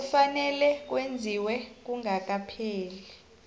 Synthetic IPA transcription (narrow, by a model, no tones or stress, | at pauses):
ufanɛlɛk̬wend͡zʱiwɛk̬uŋak̬ʼapʰeːli